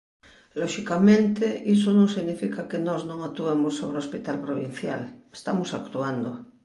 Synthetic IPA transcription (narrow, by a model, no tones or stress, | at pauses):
loʃikamẽnt̪eʔisonõŋsiɣnifikakenoznõŋak̚t̪uemosːoβɾeospit̪alpɾoβ̞in̟θjale̥st̪amosakt̪uand̪o